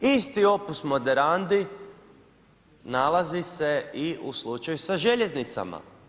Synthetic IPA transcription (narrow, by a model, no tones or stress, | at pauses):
ist̪io̞pusmo̞d̪eɾand̪i | nalˠazise̞iuslut͡ʃajusaʒe̞ʎe̞znit̪sa̰ma̰